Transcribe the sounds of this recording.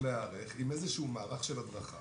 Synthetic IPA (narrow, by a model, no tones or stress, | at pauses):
leaʁeχimezeʃuumaːʁaχʃelad̪ʁaχa̰